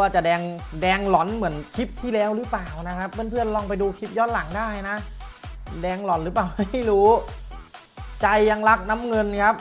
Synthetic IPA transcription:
waː˧˩t͡ɕa˨˩dɛː˧ŋdɛː˧ŋlɔ˨˩˥nmɯ˩˦ənkʰi˦˥p̚t̪ʰiː˥˩lɛː˦˥wɾɯː˦˥paː˨˩wna˦˥kʰa˦˥pːe˥˩˨npʰɯ˥˩ənlɔː˧ŋpa˧jduː˧kʰi˦˥p̚jɔː˦˥˩t̪̚la˨˩˦ŋdaː˥˩jna˦˥ | dɛː˧ŋlɔ˨˦˥nɾɯː˨˦˥paː˨˩wma˥˩˥jɾuː˦˥ | t͡ɕa˧jːa˧ŋla˦˥k̚na˦˥mŋɤ˧nkʰa˦˥p̚

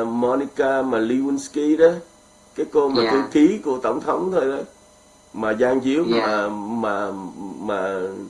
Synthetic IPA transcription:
mɔ˧ni˧kaː˧maː˨˩li˧wi˧nski˧ɗɔ˨˦ | kaː˨˦jko˧maː˨˩k̪ɨ˧xi˨˦ku˧˩ət̪ə˧˩wŋ͡mt̪ʰə˨˦wŋ͡mt̪ʰo˧jɗɔ˨˦ | maː˨˩zaː˧ŋzi˨˦əwaː˨˩maː˨˩maː˨˩

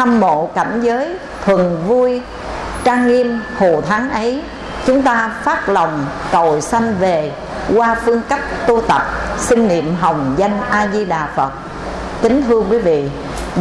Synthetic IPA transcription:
a˧mːo̰˧˨ka˧˩jŋ̟zəː˨˦j | t̪ʰwə˨˩nvu˧j | t͡ɕaː˧ŋːi˧əmho̰˧˨t̪ʰa˨˦nʔə˨˦j | t͡ɕʊ˨˦ŋ͡mt̪aː˧faː˦˥t̚lə˨˩wŋ͡mkə˨˩wsa˧jŋ̟ve˨˩ | kwaː˧fɨ˧əŋka˦˥jk̚t̪u˧t̪ə˨˩p̚sï˧ŋ̟nḭ˧˨əmɦə˨˩wŋ͡mza˧jŋ̟ʔaː˧zi˧ɗaː˨˩fə˨˩t̚ | t̪ï˨˦ŋ̟t̪ʰɨ˧əkwi˨˦vḭ˧˨

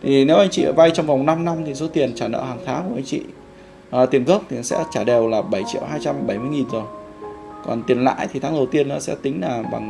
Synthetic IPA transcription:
t̪ʰi˨˩ne˨˦wʔa˧jŋ̟t͡ɕḭ˧˨˩va˧jt͡ɕɔ˧wŋ͡mva˨˩wŋ͡mna˧mna˧mt̪ʰi˨˩s̬o˨˦t̪i˨˩ənt͡ɕaː˧˩nə̰ː˧˨haː˨˩ŋt̪ʰaː˨˦ŋku˧˩˨ʔa˧ŋ̟t͡ɕḭ˧˨ | ʔːt̪i˨˩ənɣə˦˥w̚k͡p̚t̪ʰi˨˩˦sɛ̰˧˥t͡ɕaː˧˩ɗe˨˩wlaː˨˩ɓə˧˩jt͡ɕḭ˧˨əwɦaː˧jt͡ɕa˧mɓə˧˩jmɨ˧əjŋi˨˩nzo˨˩j | kɔ̰˨˩nt̪i˨˩ənla̰ː˧˥jt̪ʰi˨t̪ʰaː˨˦ŋɗə˨˩wt̪i˧ənʔɔ̰˨˦sɛ̰˧˥t̪ï˨˦ŋ̟laː˨˩ɓa̰˨˩ŋ

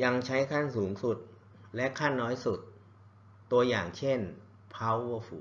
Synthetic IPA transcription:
ja˧ŋt͡ɕʰa˦˥jkʰa˥˩nsuː˩˦ŋsu˨˩t̪̚ | lɛ˦˥kʰa˥˩nːɔː˦˥jsu˨˩t̪̚ː | u˧ɐjaː˨˩ŋt͡ɕʰe˥˩n | pʰa˦˥wu˧fuː˩

